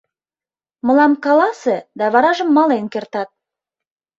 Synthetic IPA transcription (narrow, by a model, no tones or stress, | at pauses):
mə̆lˠɑmkɑlˠɑsəd̪ɑvɑɾɑʒəmːɑlˠenkʲĕrt̪ɑt̪̚